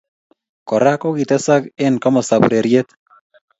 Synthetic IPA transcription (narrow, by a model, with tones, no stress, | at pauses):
kɔ˨ɾa˦ko˦ɡit̪ɛ˦sa˦kɪ˦nkamɔ˨sa˨bṵɾe˨ɾje˦t̪